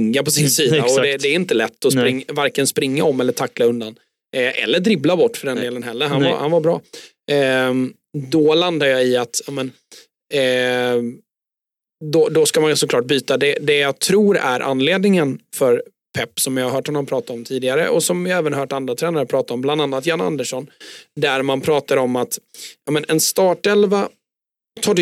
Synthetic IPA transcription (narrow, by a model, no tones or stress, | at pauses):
ŋːapʰɔsɪnsiːdaɔd̪ɛdd̪ɛːɾɪnt̪əlɛt̪ːɔsɾɪŋːvaɾkənspɾɪŋːaɔmːɛlːəʈʰakːlaɵnd̪an | ʔʔɛ̰lːəɖ̪ɾɪblabɔʈːfœɖɛnd̪eːlənɦɛlːəɾɦanva̰hanvabɾɑ̰ː | d̪ɔland̪aɾjɑːɪat̪jɑːmən | d̪ɔd̪ɔskamansɔkʰlɑːʈ̚byːt̪ad̪ɛd̪ɛjɑt̪ʰɾuːɾæ̰ɾʔa̰nleːd̪nɪŋənfœɾ | pʰɛpːsɔmvɪhaɾɦœːʈhɔnːɔmpʰɾɑːt̪at̪ɔmt̪ʰiːd̪ɪɡaɾə̰ʔɔsɔmvɪɛːvənɦœːʈand̪ɾat̪ʰɾɛːnaɾəpʰɾɑːt̪aɔmbland̪anːat̪janːa̰nd̪əʂɔnd̪æɾmanpʰɾɑːt̪aɾɔmːat̪jɑːmɛnɛnst̪ɑːʈɛlva | t̪ʰɑːɖ